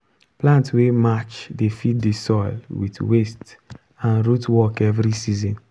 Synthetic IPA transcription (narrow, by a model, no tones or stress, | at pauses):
plãntwemat͡ʃdefit̚disɔɪlwḭtwest | ãnɾutwɔkɛvɾisizɔ̃n